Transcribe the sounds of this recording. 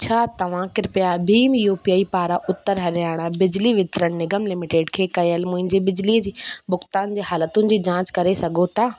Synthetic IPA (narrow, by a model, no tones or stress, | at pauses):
t͡ɕʰaːt̪ɐʋ̤ãkɪɾpjabʱiːmjoːpijaːipaːɾaʔʊt̪ːəɾɦɐɾjaːɽ̃abɪd͡ʑliʋɪt̪ɾəɽ̃nɪɡəmlɪmɪʈeːɖkʰeːkɐjəlmʊ̃ɦɪ̃ɲd͡ʑebɪd͡ʑliːəd͡ʑiːbʊxt̪aːnd͡ʑeːhaːlət̪ʊnɪ̆d͡ʑiːd͡ʑãːt͡ɕkɐɾesɐɡʱot̪aː